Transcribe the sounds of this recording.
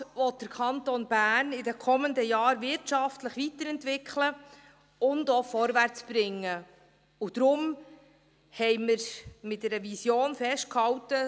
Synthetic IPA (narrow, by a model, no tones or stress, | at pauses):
ʋɔt̚d̥əɾkʰɑntonb̥æːnɪdɛkʰɔməndəjɑːɾvɪɾtʃɑftləχʋitəɾɛntvɪkʰlə | ʊndofɔɾvæɾt͡sb̥ɾɪŋːə | ud̥ɾʊm | hɛɪməɾmɪt̚dɛɾəvisjoːnfɛʃt̚khɑwtə